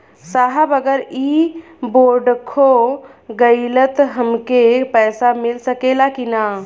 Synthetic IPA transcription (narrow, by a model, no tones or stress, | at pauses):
saɦəbəɡəɾi | boɖkʰoɡəɪlət̪ɦəmkepɛjsamilsəkelakina